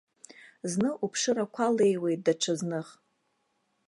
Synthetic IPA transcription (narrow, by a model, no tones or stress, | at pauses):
znɨʔupʰʂɨɾakʷʰale̞jwe̞jt̚daʈ͡ʂʰaznɨχ